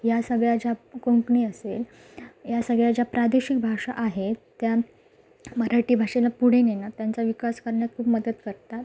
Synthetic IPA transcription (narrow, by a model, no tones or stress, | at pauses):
jasəɡɭjad͡ʑakuŋkɳiːəsel | jasəɡɭjad͡ʑjapɾad̪eɕik̚bʱaʂa̰ʔaɦet̪ːja | məɾaʈiːbʱaʂelapuɽ̤enenat̪jant͡saʋikaskəɾɳjat̪̚kʰuːbməd̪ət̪kəɾt̪at̪